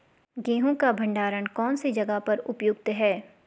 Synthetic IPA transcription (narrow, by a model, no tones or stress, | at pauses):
ɡẽːɦõkabʱɐ̃ɳɖaːɾənkɔːnsid͡ʒɐɡapɐɾʊpjʊɡ̚t̪ɦɛː